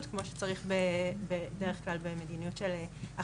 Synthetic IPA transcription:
tkmo̞ʃe̥t͡saʁiχbebedeʁeχklalbe̞medinijutʃelea

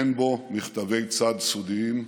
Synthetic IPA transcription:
mbo̞miχt̪ave̞jt͡sad̪sud̪iim

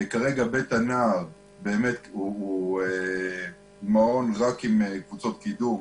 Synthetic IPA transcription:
kaʁeɡabet̪anaːʁ | be̞ːmet̪ue | mao̞nʁakimekvut͡so̞t̪kid̪um

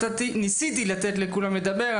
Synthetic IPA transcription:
at̪inisit̪ilat̪et̪lekulamled̪abe̞ʁa

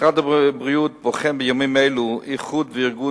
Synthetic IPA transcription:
χadabʁijut̚bɔχɛmbəjomimeɪluiχudvəɪɾɡu

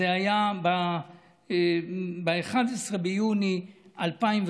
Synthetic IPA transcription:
eajaba | beeχad̪esʁebejuniʔalpaimv

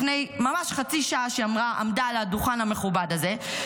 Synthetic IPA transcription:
fne̞jmamaʃχat͡siʃaaʃeamʁaʔa̰mdaladuχanhame̞χubadaze̞

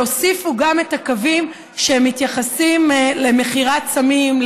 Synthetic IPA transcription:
osifuɡame̞takavim | ʃeemːit̪jaχasimle̞me̞χiʁatsamiml

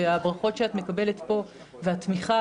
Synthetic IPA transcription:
eabʁaχo̞tʃeatmekabe̞letpo̞ | veatmiχa

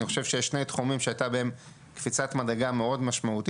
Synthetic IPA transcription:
niχo̞ʃe̞vʃejeʃːne̞jt̪χumimʃeajtabeem | kfit͡satmadeɡame̞o̞dmaʃmaut̪i

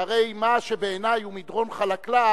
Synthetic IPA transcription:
aʁe̞jmaʃe̞be̞ːnajumid̪ʁo̞nχalakla

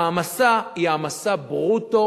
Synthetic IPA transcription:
masaiamasabʁut̪o

